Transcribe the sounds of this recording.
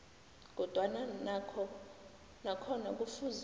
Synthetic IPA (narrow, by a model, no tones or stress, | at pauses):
k̬ɔd̥ʱwananakʰɔ | nakʰɔnak̬ʼufuz